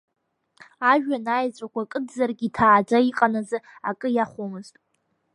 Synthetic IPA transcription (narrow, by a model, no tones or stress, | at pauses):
aʒᶣanajt͡sʷʼakʷʰakʼɨdzarɡʲitʰaːd͡ʒʷaiqʼanazɨa̰kʼɨjaχʷomɨztʼ